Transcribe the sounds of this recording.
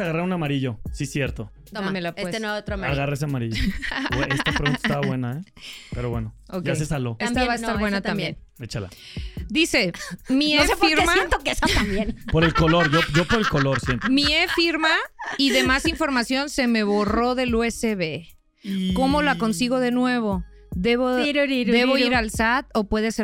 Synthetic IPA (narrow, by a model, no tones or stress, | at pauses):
aɣaɾraunamaɾiʝo̞sisjeɾt̪o | t̪omelapeeenot̪ɾamaɣaraes̬eamaɾiʝoeest̪apɾone̥st̪aβaβwe̞naepeɾoβweno | okʝajsesaloest̪aβaest̪aɾβwenat̪ambjen | et͡ʃala̰d̪ise̞mieiɾsmajent̪okesat̪ambjenpoɾelkolo̞ɾʝoʝo̞poɾelkoloɾsjent̪emiefiɾmaiðe̞masiɱfo̞ɾmasjo̞nse̞me̞βo̞ro̞ðe̞lueseβe̞ | ko̞mo̞lako̞nsiɣo̞ð̞e̞nwe̞β̞o̞ | ðe̞βoɾd̪e̞βo̞iɾalsat̪o̞pwe̞ðese